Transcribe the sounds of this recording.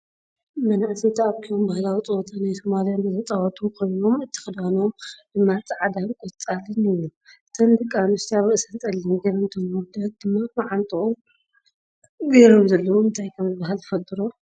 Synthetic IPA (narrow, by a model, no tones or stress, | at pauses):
mɐnaʕsʰit̪ʰaβkʰiombahlawit͡sʼɨwot̪ʰanajsomaljanɨzɐt̪ʼawɐt̪ʰʼukʰojno̞mɨt̪ʰːɨ̥xɨd̪ano̞mdɨmːat͡sʼɨʕad̪amkʼot͡sʼalɨnɨjːut̪ʰɐnd̪ɨkʼːamɨst̪aβɨʔsɐnt̪ʼɐlːɨnɡɐɾɨmt̪ʰomud̪ɐd̚d̪̥ɨmːamaʕant̪ʼɨʔo | ɡɐɾomzɐlːɐwuɨnt̪ʰajkʰɐmzɨbːaɦalzɨfɐt̪ʼːɨɾo